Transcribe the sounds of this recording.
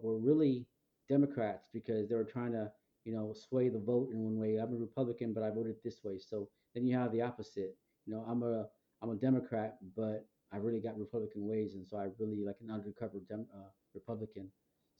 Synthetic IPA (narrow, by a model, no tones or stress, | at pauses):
wə˞ɹɪlˠi | d̥ɛmɨkʰɹ̥ætsb̥ɨkʰʌzðeɪwə˞tʰɹ̥aɪɪ̃ŋtʰɨ | jɨnoʊsweɪðəvoʊɾɨ̃nwʌ̃nweɪaɪvəɹɨpʰʌblɨkɨ̃nbʌɾaɪvoʊɾɨd̪̚ðɪsweɪsoʊ | ðɨ̃njɨəvðiɑpɨz̥ɪt̚ | jɨnoʊãɪ̃mə | ãɪ̃mədɛmɨkʰɹ̥æt̚b̥ʌɾ | aɪɹɪlˠiɡɑt̚ɹɨpʰʌbləkɨ̃n̩weɪzɨ̃nsoʊaɪɹɪlˠilaɪkɨ̃nʌ̃ndə˞kʰʌvə˞dɛʌ | ɹɨpʰʌblɨkɨ̃n